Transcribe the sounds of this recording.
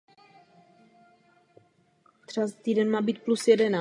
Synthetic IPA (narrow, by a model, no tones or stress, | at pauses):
d̪r̥asat̪iːdɛnmaːbiːt̪̚plusjɛdɛnaː